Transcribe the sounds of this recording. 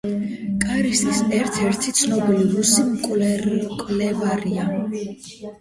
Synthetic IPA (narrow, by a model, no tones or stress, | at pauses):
kʼaɾisʼisɛɾt̪ʰɛɾt̪ʰit̪sʰnɔbiliɾusimkʼlkʼlɛvaɾia